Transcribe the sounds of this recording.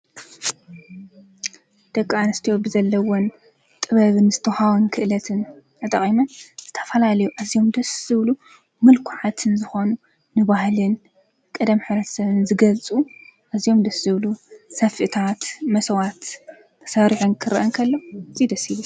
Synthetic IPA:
d̪̥ɐkʼːanɨst̪ʰijobɨzɐlːɐwon | t̪ʼɨβɐβɨnzɨt̪ʰɐhawnkʰɨʔɨlɐt̪ʰɨnʔɨt̪ʼɐχʼimɐnz̥ɨt̪ʰɐ̥fɐlalɐjuʔazijo̞md̪ɐsɨβlu | mɨlkʰuʕat̪ʰɨnzɨxo̞nu | nɨβahlɨn | kʼɐd̪ɐmħɨβɾɐt̪ʰɐ̥sɐβɨnzɨɡɐlt͡sʼuʔazijo̞md̪ɐsɨβlusɐfɨt̪ʰat̪mɐsɐwat̪ːʰ | ɐ̥sɐɾiħunkʰɨɾʔɐnkʰɐlːozʼid̪ɐsiβu

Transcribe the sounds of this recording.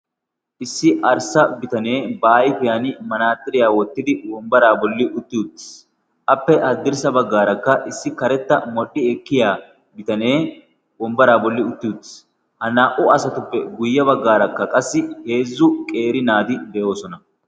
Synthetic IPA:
ʔɪsːɪʔɐɾsɐbɪt̪ɐne̞ːbaːjfʊjanɪmɐnaːt̪ʼːɪɾɪjaːwɔt̪ːɪd̪ɪwɔmbɐɾaːbɔlːɪʔʊt̪ːɪʊd̪ɪs | ʔɐpːɛʔɐd̪ːɪɾsɐbɐɡːaːɾɐkːɐʔɪsːɪkɐɾɛt̪ːɐmɔɗːɪɛkːɪjaː | bɪt̪ɐneː | wɔmbɐɾaːbɔlːɪʊt̪ːɪʊd̪ɪ̥s | hɐnaːʔʊɐsɐt̪ʊpːɛɡʊjːɐbɐɡːaːɾɐkːɐkʼɐsːɪhe̞ːzːʊkʼe̞ːɾɪnaːt̪ɪd̪ɛʔo̞ːsɔnɐ

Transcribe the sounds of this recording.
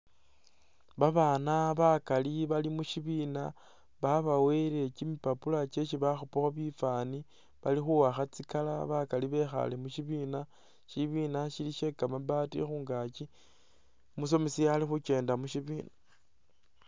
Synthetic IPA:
βaβaːnaβakaliβalimuʃiβina | βaβawe̞ɾekimipapulat͡ʃe̞ʃiβaxupuxaβifani | βalixuwaxat͡sikalaβakaliβe̞xa̰le̞muʃiβina | ʃiβiːnaʃiliʃe̞kamaβatḭxuːŋɡaki | mus̬o̞mesijalixut͡ʃe̞ːndamuʃiβiːna

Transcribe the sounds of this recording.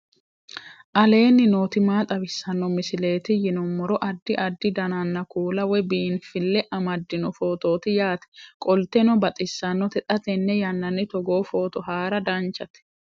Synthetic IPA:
ʔɐle̞ːnːɪnoːt̪ɪmaːt̪ʼɐbɪsːɐnːɔmɪsɪle̞ːt̪ɪjɪnɔmːɔɾɔʔɐd̪ːɪʔɐd̪ːɪd̪ɐnɐnːɐkuːlɐwɛbiːnfɪlːɛʔɐmɐd̪ːɪnɔfo̞ːt̪o̞ːt̪ɪjaːt̪ɛ̥kʼɔlt̪ɛnɔbɐt̪ʼɪsːɐnːɔt̪ɛt̪ʼɐt̪ɛnːɛjɐnːɐnːɪt̪ɔɡo̞ːfo̞ːt̪ɔɦaːɾɐd̪ɐnt͡ʃːɐt̪ɛ̥

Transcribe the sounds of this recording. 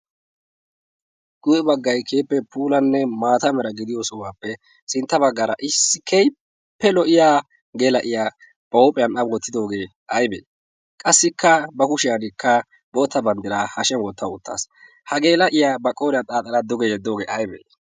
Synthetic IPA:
ɡ̥ʊjɛbɐɡːɐjkʰeːpːɛpʰuːlɐnːɛmaːt̪ɐmɛɾɐɡɪd̪ɪjosɔwaːpːɛ | sɪnt̪ːɐbɐɡːɐːɾɐʔɪsːɪ̥kʰɛj | pːɛlɔʔɪjaː | ɡeːlɐʔɪja | b̥ɐwpʼɛjɐnɐbɔt̪ːɪd̪o̞ːɡe̞ː | ʔɐjbḛː | kʼɐsːɪkːɐbɐkʊʃɪjɐnɪkʰːɐ | boːt̪ːɐbɐnd̪ɪɾaːhɐʃɛnwɔt̪ːɐʊt̪ʰːa̰ːs | hɐɡe̞ːlɐʔɪjaːbɐkʼːoːɾɪjat̪ʼaːt̪ʼɐlɐd̪ɔɡɛjɛd̪ːo̞ːɡḛːʔɐjbḛː

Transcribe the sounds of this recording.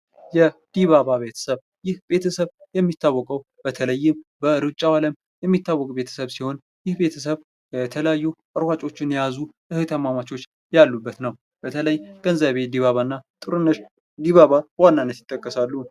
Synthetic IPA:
jɛd̪̥iβaβaβe̞t̪ʰə̥səβ | jɪhbe̞t̪ʰəsəβjɛmːit̪ʰːawːɔkʼəw | b̥ət̪ʰələjːɪmbəɨɾɨt͡ʃʼːawaləm | jɛmːit̪ːawːɔkʼbe̞t̪ʰə̥səβsiho̞n | jɪhbe̞t̪ʰəs̬əβ | jɛt̪ʰəljajːuʔəɾwat͡ʃʼo̞t͡ʃːɪnjjazu | ɨhɨt̪ʰəmamat͡ʃo̞t͡ʃː | jalːubːət̪nəw | b̥ət̪ʰələjɡ̥ənzaβe̞d̪iβaβanːat̪ʼɨɾɨnːəʃ | d̪iβaβawanːanːət̪jɪt̪ʼːəkʼːəsalːu

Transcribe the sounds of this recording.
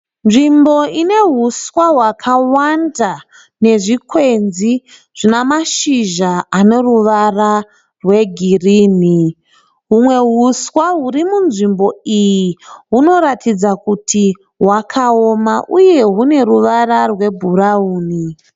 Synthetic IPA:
nʐimbo̞ine̞ɦuswaɦwakʰawanda | ne̞ʐikʰwe̞nzi | ʐ̥inamaʃiʒaːne̞ruʋara | rwe̞ɡʱiriːni | ɦumwe̞ɦuswaɦurimunʐimbo̞ijiɦuno̞ɾatʰid͡zakutʰi | ɦwakʰaomaʔuje̞ɦune̞ruʋararwe̞bʱurauːni

